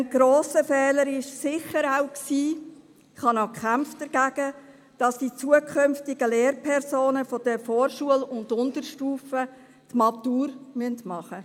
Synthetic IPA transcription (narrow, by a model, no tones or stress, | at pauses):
ənɡ̥ɾoːsəfɛːləɾɪʃsɪχəɾaʊksiː | ɪχhɑnokʰχæmfd̥əɾɡ̥æɡ̥ə | d̥ɑsd̥it͡suəkʰχʏmftɪɡ̥əleːɾpʰɛɾsoːnəfɔd̥əfoːɾʃuəlʊndʊndəɾʃtuːfə | tmɑt̪uːɾmyəntmɑχə